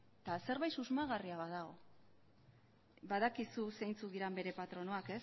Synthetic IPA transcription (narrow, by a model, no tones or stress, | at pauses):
t̪ase̞ɾβajsuzmaɣariaβaðaɣo̞ | baðakisuse̞jnt͡suðiɾambe̞ɾe̞pat̪ɾo̞no̞ake̞s